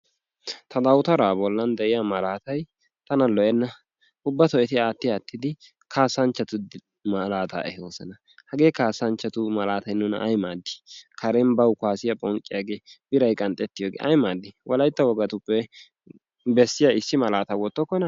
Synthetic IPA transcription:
t̪ʰɐd̪ɐwt̪ɐɾaːbɔlːɐnd̪ɛʔɪjamɐlaːt̪ɐj | t̪ɐnɐlɔʔɛnːɐ | ʊbːɐt̪ɔʔɛt̪ɪaːt̪ːɪaːt̪ːɪd̪ɪ | kʰaːsːɐnt͡ʃːɐt̪ʊd̪ | mɐlaːt̪a̰ːʔɛhoːsɐnɐ | hɐɡe̞ːkaːsːɐnt͡ʃːɐt̪ʊmɐlaːt̪ɐjnʊnɐ̰jmaːd̪ːɪ̥kʰɐɾɛnbɐwkʊaːsɪjɐpʼɔŋkʼːɪjaɡe̞ːb̥ɪɾɐjkʼɐnt̪ʼːɛt̪ːɪjoːɡḛːʔɐjmaːd̪ːɪwɔlɐjt̪ːɐwɔɡɐt̪ʊpːɛ | bɛsːɪjaɪsːɪmɐlaːt̪ɐwɔt̪ːɔkːɔnɐ

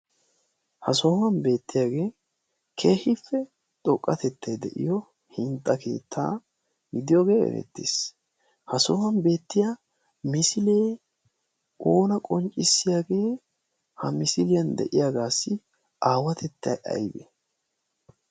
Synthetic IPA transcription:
hɐsoːmɐnbe̞ːt̪ːɪjaːɡe̞ː | kʰeːhɪfːɛ | t̪ʼɔkʼːɐt̪ɛt̪ːɐjd̪ɛʔɪ̰jɔ | hɪnt̪ʼːɐkʰe̞̰ːt̪ʰːa̰ː | ɡɪd̪ɪjoɡe̞ːɛ̰ɾɛ̰t̪ːḭs | hɐsoːwɐnbe̞ːt̪ːɪja | mɪsɪleː | o̞ːnɐkʼɔnt͡ʃʼːɪsːɪjaːɡe̞ː | hɐmɪsɪlɪjɐnd̪ɛ̰ʔɪjaːɡaːsːɪ | aːwɐt̪ʰɛt̪ːɐjʔɐ̰jbḛ

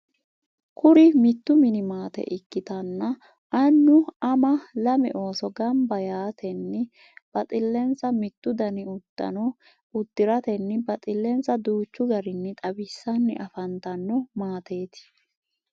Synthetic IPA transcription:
kʰʊɾɪmɪt̪ːʊmɪnɪmaːt̪ɛ̰ʔɪkːɪt̪ɐnːɐ | ʔɐnːʊɐmɐlɐmɛʔo̞ːsɔɡɐmbɐjaːt̪ʰɛnːɛ | b̥ɐt̪ʼɪlːɛnt͡sːɐmɪt̪ːʊd̪ɐnɪʊd̪̥ːɐ̰nɔ | ʊd̪ːɪɾɐt̪ɛnːɛbɐt̪ʼɪlːɛnt͡sːɐd̪uːt͡ʃːʊɡɐɾɪnːɛt̪ʼɐbɪsːɐnːɪ̰ʔɐfɐnt̪ɐnːɔmaːt̪e̞ːt̪ɪ̥

